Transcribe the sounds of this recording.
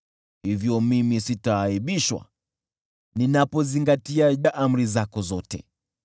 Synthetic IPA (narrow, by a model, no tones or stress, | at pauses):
hivjɔmimisitaːiɓiʃwa̰ | ninapɔziŋɡatiaaʔam̩ɾizakɔzɔtɛ̰